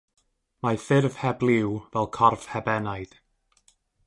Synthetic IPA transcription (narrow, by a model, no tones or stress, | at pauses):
maθɪrv̥hɛblˠɪwvɛlˠkʰɔrv̥hɛbɛnajð̥